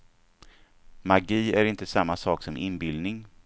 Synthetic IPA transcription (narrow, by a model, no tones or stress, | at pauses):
maɡiːæɾɪnt̪əsamːasɑːksɔmʔɪnbɪld̪nɪŋ